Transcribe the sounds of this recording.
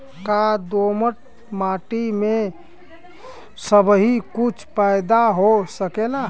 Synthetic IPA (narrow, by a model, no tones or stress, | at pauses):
kad̪oməʈ̚ | maʈime | səbɦikut͡ʃʰpajd̪aɦosəkela